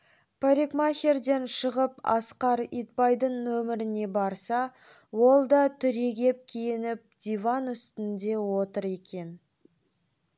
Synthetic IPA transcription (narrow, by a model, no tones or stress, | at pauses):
pʰaɾikmaxʲerd̪e̞nʃəʁəpɑ̰sqɑɾit̪̚pɑjd̪əɴnɵmɪɾɪne̞bɑɾsɑ | wo̞lˠd̪ɑt̪ʰʏɾe̞ɡʲe̞p̚kʲʰijɪnɪp̚d̪̥ʲivanʏst̪ɪnd̪e̞wo̞t̪əɾe̞kʲe̞n